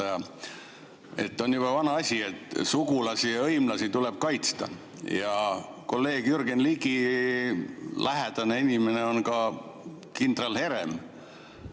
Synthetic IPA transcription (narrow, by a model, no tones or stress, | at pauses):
ɑjɑ | e̞t̪ːo̞njub̥ɑvɑnɑɑsʲie̞t̪ːˑsuɡ̥ulɑsijɑɤjmlɑsit̪ule̞b̥̚kɑjt̪st̪ɑ̰ | jɑ | ko̞lːe̞ːɡ̥jyrɡenliɡi | læɦed̪̥ɑneinʲime̞neo̞nkɑ | kind̪̥rɑlhe̞ɾe̞̰m